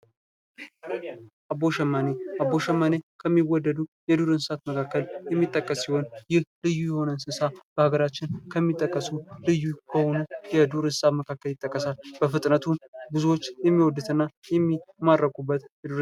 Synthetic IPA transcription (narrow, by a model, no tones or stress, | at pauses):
ʔaboʃɛmːaneʔabo̞ʃɛmːanekʰəmːiwɔd̪ːəd̪ujɛd̪uɾɨnsɨsat̪məkʰakːəljɛmːit̪ʼːəkʼːəsːiho̞njɪhlɨjːujɛho̞nənsɨsab̥əhaɡəɾat͡ʃːɪnkʰəmːit̪ʼːəkʼːəsulɨjːukʰəhonujɛd̪uɾɨnsaməkʰakːəljɪt̪ʼːəkʼːəsalbəfɨt̪ʼnət̪ʰumbɨzuwo̞t͡ʃːjɛmːiwɔd̪ːɨt̪ɨnːajɛmːimadɾəkubːət̪jɛd̪uɾ